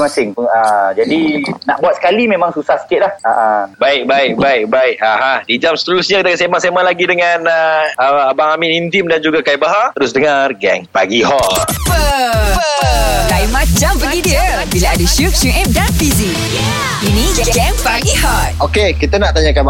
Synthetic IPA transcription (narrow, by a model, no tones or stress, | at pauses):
masɪŋpuŋəd͡ʒadinaʔbuat̪̚sə̥kalimẽmãŋsusahsə̥kɪt̪̚lahaʔabaɪk̚baɪk̚baɪk̚baɪk̚aɦadid͡ʒamsə̥t̪əlusɲãkit̪akəsemãʔsemalaɡidəŋanəəabaŋaminint̪imdand͡ʒuɡakaibaɦat̪əɾʊs̬dəŋarɡɛŋpaɡihɔt̪̚ə | dajmãt̚d͡ʒampəɡidiəbilaadəʃuf̚suʔɛm̚danfizi | iniɡɛŋpaɡihɔt̪̚okekit̪ənaʔt̪aɲakanma